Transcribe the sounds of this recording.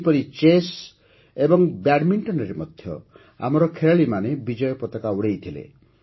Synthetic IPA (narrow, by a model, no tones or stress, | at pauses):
pɔɾit͡ʃes | ebɔŋbaɽmiɳʈɔnɔɾemɔd̪ʱjɔ̰ | a̰mɔɾɔkʰeɾaɭimanebid͡ʒɔjɔpɔt̪ɔkauɽejt̪ʰilḛ